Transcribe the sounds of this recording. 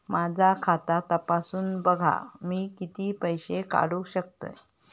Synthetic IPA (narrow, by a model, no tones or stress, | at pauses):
mad͡ʑʱakʰat̪at̪əpasuːnbəɡʱa̰miːkit̪iːpəjɕeka̰ɽuːɕək̚t̪ə̰j